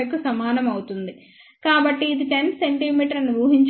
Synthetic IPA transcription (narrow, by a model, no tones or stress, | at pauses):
jɐkusɐmaːnɐmɐwut̪und̪i | kaːbɐʈːiːd̪iʈe̞nse̞ɳʈimiːʈɐɾɐnuʋuːɦiɲt͡ʃ